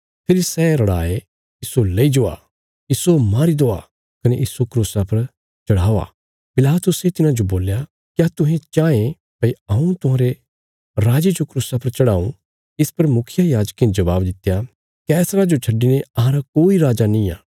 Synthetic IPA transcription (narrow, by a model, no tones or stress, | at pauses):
pʰɪɾisɛːɾɐɽaːe | ɪsolɐid͡ʒoa̰ | iːsomaːɾid̪oa̰ | kɐneʔisokɾuːsapɐɾ | t͡ʃɐɽaːoa̰ | pɪlaːt̪ʊset̪ɪnãd͡ʒoboːlja | kjat̪ʊɦẽt͡ʃãːẽ | pɐiɐũt̪ʊɦãːɾe | ɾaːd͡ʒed͡ʒokɾuːsapɐɾt͡ʃɐɽaːũ | ɪspɐɾmʊkʰɪjajaːd͡ʒkːẽnd͡ʒɐbaːbd̪ɪt̪eja | kɛːsɾad͡ʒot͡ʃʰɐɖineɐɦãɾakoːiɾaːd͡ʒanĩa̰ː